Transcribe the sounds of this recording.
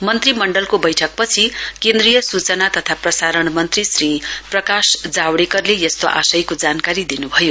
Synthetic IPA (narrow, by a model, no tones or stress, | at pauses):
mʌnt̪rimʌɳɖʌlkobʌjʈʰʌk̚pʌt͡sʰikend̪rijʌsut͡sʌnat̪ʌt̪ʰaprʌsaɾʌɳmʌnt̪risriprʌkasd͡zawɽekʌrlejʌst̪oʔa̰sʌjkod͡zankaɾid̪inubʱʌjo